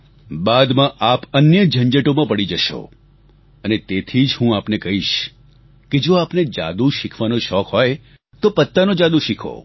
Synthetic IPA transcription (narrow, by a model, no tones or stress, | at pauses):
bad̪mãʔapənjəd͡ʒʱəɲd͡ʒəʈomãpəɽid͡ʒəʃo̰ | ənet̪et̪ʰid͡ʒɦũapnekəɦiʃ | ked͡ʒoapned͡ʒa̰d̪uʃikʰʋanoʃɔkɦɔj | t̪opət̪ːanod͡ʒad̪uʃikʰo̰